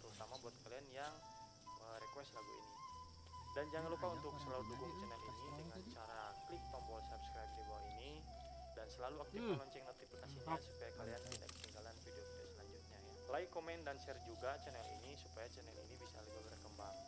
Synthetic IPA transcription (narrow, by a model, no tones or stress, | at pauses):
t̪əɾut̪amabuat̪̚kalianjaŋ | əɾɛkwɛst̪laɡṵḭni | dand͡ʒaŋanlupaunt̪ʊk̚səlaluduɡʊŋt͡ʃɛnɛlinidəŋant͡ʃaɾaklik̚t̪ɔmbɔlsabskɾajp̚dibawaini | dansəlaluak̚t̪ilɔɲt͡ʃɛŋnot̪ifikasiɲasu̥pajakaliant̪inda̰kə̥t̪iŋɡalanfidiopt̪asəlaɲd͡ʒʊt̪̚ɲa | laikomɛndansɛrd͡ʒuɡat͡ʃɛnɛlḭnisupajat͡ʃɛnɛ̰lḭnibisa̰liɡabərkəmbaŋ